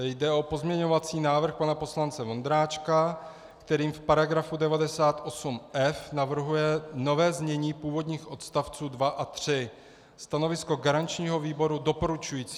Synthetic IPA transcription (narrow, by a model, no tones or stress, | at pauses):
jdɛʔo̞po̞zmɲɛɲo̞vat͡siːnaːvr̩xpanapo̞slant͡sɛvo̞nd̪ɾaːt͡ʃka | kt̪ɛɾiːmfpaɾaɡɾafudɛvadɛsaːt̪ʔo̞sumʔɛfnavr̩ɦujɛno̞vɛːzmɲɛɲiːpuːvo̞dɲiːxʔo̞t̪st̪aft͡suːdvaʔat̪r̝̥ɪ | st̪ano̞vɪsko̞ɡaɾant͡ʃɲiːɦo̞viːbo̞ɾudo̞po̞ɾut͡ʃujiːt͡si